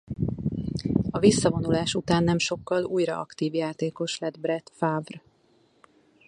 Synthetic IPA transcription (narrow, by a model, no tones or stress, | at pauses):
ɒvisːɒvo̞nulaːʃut̪aːnːɛmʃo̞kːɒluːjrɒ̰ʔɒ̰kt̪iːvjaːt̪eːko̞ʃlɛd̪brɛt̪faːvr